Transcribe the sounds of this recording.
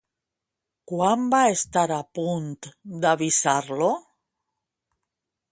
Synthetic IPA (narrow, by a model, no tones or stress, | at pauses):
kwambaest̪aɾapunt̪d̪aβisaɾlo